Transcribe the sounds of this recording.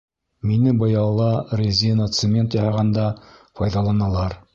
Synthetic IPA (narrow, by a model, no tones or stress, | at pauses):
minɘbɤ̆jɑlˠɑrʲezʲinət̪sɘmʲe̞nt̪jɑhɑʁɑnd̪ɑfɑjðɑlˠɑnɑlˠɑɾ